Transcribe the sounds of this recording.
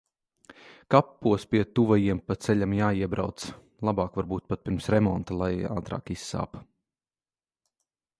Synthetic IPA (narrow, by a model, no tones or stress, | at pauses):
kapːuɔspʲiɛt̪uvajiɛmpat̪sɛʎʲamjaːiɛbɾa̰wt̪s | lˠabaːkvaɾbuːt̪̚pat̪̚pʲiɾmsɾɛmɔnt̪alˠaja̰ːt̪ɾa̰ːkisːa̰ːp